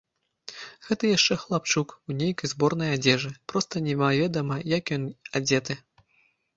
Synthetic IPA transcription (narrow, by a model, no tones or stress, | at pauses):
ɣɛt̪ɐjaʂt͡ʂɛxlˠap̚t͡ʂukunʲejkɐjzbɔrnɐjad͡zʲɛʐɨpɾɔst̪ɐnʲɛvavʲɛd̪ɐmɐjakjɔnad͡zʲɛt̪ɨ